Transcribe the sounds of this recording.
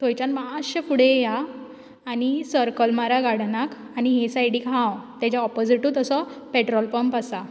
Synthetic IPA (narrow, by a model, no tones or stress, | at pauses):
t̪ʰojt͡ɕanmaɕəpuɽ̤ejaː | nisəɾkəlmaɾaɡaɽ̤nak | aniɦesajɽikãwt̪jat͡ɕjaɔpɔd͡ziʈuːt̪əsɔpeʈɾɔlpəmpasa